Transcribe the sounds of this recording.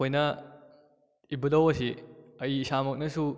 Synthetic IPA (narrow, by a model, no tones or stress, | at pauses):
ojnɐ | ibudɐwɐsiɐiːsamɐk̚nɐsu